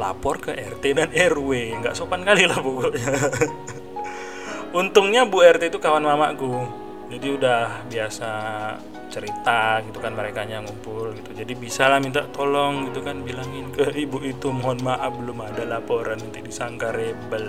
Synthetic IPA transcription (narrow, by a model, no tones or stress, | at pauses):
la̰pɔrkəʔɛrt̪edanɛrweŋɡa̰ʔsopankalilahpoɡɔʔɲa | unt̪ʊŋɲabuɛrt̪et̪ukawanmama̰ku | d͡ʒadiudahbiasa | t͡ʃəɾit̪aɡit̪ukanməɾekaɲaŋumpʊlɡit̪ud͡ʒadibisalahmint̪aʔt̪ɔlɔŋɡit̪ukanbilaŋɪnkəibuʔit̪umɔɦɔnmaʔap̚bəlʊmadalapoɾanmənt̪ɪk̚disaŋɡaɾebəl